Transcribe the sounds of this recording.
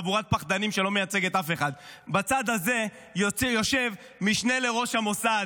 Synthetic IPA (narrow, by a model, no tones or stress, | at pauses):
buʁat̪̚paχd̪animʃe̞lo̞mejat͡se̞ɡet̪afe̞χad̪bat͡sad̪haze̞ | jo̞ʃe̞v | miʃne̞le̞ʁo̞ʃhamo̞sad